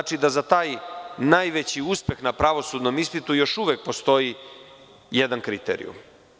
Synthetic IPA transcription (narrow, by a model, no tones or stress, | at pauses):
at͡ʃid̪azat̪aːjnajʋet͡ɕiuspe̞xnapɾaʋo̞sud̪no̞mist̪it̪ujo̞ʃuʋek̚po̞st̪o̞ji | jed̪ankɾit̪ḛɾḭjṵ